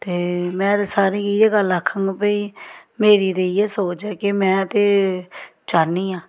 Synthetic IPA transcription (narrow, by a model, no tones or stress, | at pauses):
t̪eːmɛ̃ːt̪eːsaːɾĩːɡiːeːɡələkʰːə̃ŋɡpəiːmeːɾiːd̪eieːsoːt͡ʃɛːkɪmɛ̃ːət̪eː | t͡ʃaːnĩːãː